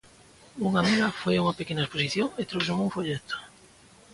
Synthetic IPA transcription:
uŋamelafojauŋapekenaesposiθjoŋet̪ɾowsoŋuŋfoʎet̪o̥

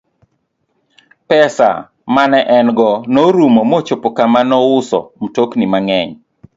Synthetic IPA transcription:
pɛsa̰ | manɛʔɛnɡɔnoɾumomɔt͡ʃopokamanɔʊsɔ̰m̩toknimaŋɛɲ

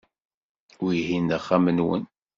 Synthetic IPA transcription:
ʊɾɦinəχːæmənwə̰n

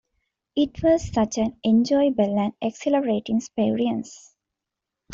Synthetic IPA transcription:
iʈʰʋɔzsʌt͡ʃæ̃nẽnd͡ʒɔɪbəlæ̃nekseləɾeːʈĩŋspeːɾiə̃ns

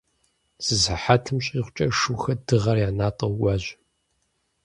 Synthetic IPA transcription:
z̥ɨzaħatʰɨmɕʼiːʁʷt͡ʃʼɐʂɨxɐdɨʁɐrjaːnaːtʼɨwɡʷɑːʑʷɪ

